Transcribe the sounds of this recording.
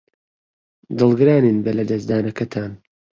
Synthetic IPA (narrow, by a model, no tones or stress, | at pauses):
d̪ɨlˠɡɨɾaːniːnbɐlɐd̪ɐsd̪aːnɐkɐt̪ʰaːn